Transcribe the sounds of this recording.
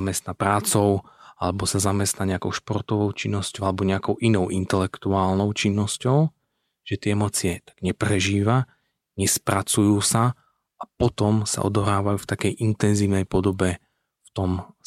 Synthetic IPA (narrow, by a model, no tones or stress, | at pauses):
amɛst̪napɾaːt͡sɔʊa̰lɛbɔsazamɛst̪naɲɛakɔʊʃpɔrt̪ɔʋɔʊt͡ʃinːɔscɔalɛbɔɲɛakɔʊʔinɔʊʔint̪ɛlɛkt̪uaːlnɔʊt͡ʃinːɔscɔʊ | ʒ̥ɛt̪ɪɛɛmɔːt͡sɪɛt̪ḁɡ̥ɲɛpɾɛʒiːʋa | ɲɛspɾat͡sujuːsa | apɔt̪ɔmsa̰ʔɔ̰d̪ɔɦɾaːʋajuːft̪akɛjʔint̪ɛnziːʊnɛjpɔd̪ɔbɛ | ft̪ɔm